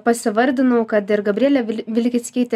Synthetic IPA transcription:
pɐsʲɪʋɐɾʲd̪ʲɪnɐʊkɐt̪ɪɾɡɐbʲɾʲiɛlʲɛʋʲɪlʲkʲɪt̪sʲkʲiɪt̪ʲː

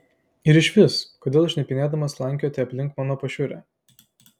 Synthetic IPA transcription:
ɪɾɪʃʲʋʲɪskoːd̪ʲeːlˠʃʲnʲɛpʲɪnʲeːd̪ɐmɐslˠɑˑŋʲkʲjɔːt̪ʲɛɐpʲlʲɪŋkmɑːnoːpɐʃʲʊɾʲæ̰ː

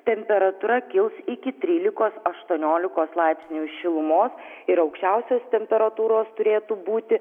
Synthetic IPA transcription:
t̪ʲɛmʲpʲɛɾɐt̪uɾɐkʲɪlˠsɪkʲɪt̪ʲɾʲiːlʲɪkoːsɐʃt̪uɔnʲoːlʲɪkoːslˠɑɪpʲsʲnʲuːʃʲɪlˠʊmoːsɪɾɐʊkʃʲt͡ʃʲɛˑʊsʲoːst̪ʲɛmʲpʲɛɾɐt̪uːɾoːst̪ʊɾʲeːt̪uːbuːt̪ʲɪ

